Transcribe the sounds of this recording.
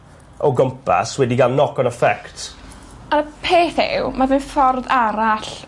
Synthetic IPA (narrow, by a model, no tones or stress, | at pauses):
ɔɡəmpʰa̰swɛdiɡalˠnɔkɔnəfɛktʰ | aɾəpʰeːθɪ̰wmavɪnfɔrðaɾaɬ